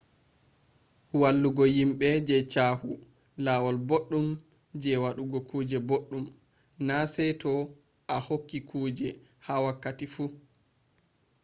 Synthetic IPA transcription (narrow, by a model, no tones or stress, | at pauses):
walːuɡɔjimɓɛd͡ʒɛt͡ʃahu | lawɔlboɗːum | d͡ʒɛwaɗuɡɔkuːd͡ʒɛboɗːum | nasɛjtɔ | ʔahokːikʰuːd͡ʒɛ | hawakːatifu